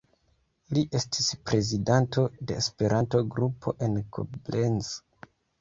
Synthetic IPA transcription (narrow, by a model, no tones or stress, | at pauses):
liʔe̞stʰi̥spɾe̞zidanto̞de̞ːspe̞ɾʔanto̞ɡɾupʰo̞̰ʔe̞nkʰo̰blenz